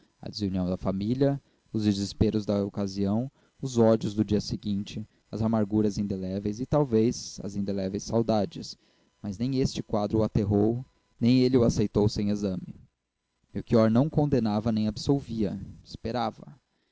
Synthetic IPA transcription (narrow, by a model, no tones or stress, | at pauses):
ɐ̰d͡ʒɪziuniɐ̃w̃d̪ɐfamiljɐ | ʊzd͡ʒɪzɪspeɾʊzd̪ɐokaziɐ̃w̃ | ʊzɔd͡ʒʊzd̪ʊd͡ʒiɐseɡĩnt͡ʃɪ | ɐzamaɾɡuɾɐzĩnd̪elɛvejzɪt̪awvejzɐ̰zĩnd̪elɛvejsawd̪ad͡ʒɪs | mɐznẽj̃est͡ʃɪkwad̪ɾʊat̪eɦow | nẽj̃elɪʊasejt̪owsẽj̃ezɐ̃mɪ | mewkiɔɾnɐ̃w̃kõnd̪enavɐnẽj̃abɪsowviɐɪspeɾavɐ